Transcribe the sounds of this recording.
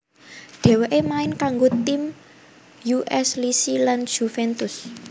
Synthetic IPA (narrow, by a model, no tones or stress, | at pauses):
ɖ̪̥ɛ̤weʔemaɪnkaŋɡot̪im | juʔɛslisilan̥ʒ̥ufɛnt̪ʊs